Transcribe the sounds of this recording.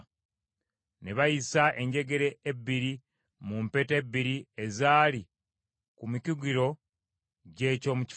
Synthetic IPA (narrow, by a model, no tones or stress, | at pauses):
ne̞βajisaʔe̞ɲɟe̞ɡe̞ɾe̞ːbːiɾi | mumpe̞te̞bːiɾiezaːli | kumiciɡiɾo̞ | ɟe̞ːco̞muci̥